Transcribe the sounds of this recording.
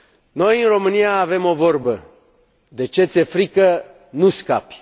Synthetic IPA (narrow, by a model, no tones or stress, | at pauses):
no̞jɨnro̞mɨnijaːve̞mo̞vo̞rbə | d̪e̞t͡ʃe̞t̪sʲe̞fɾikə | nuska̰pʲ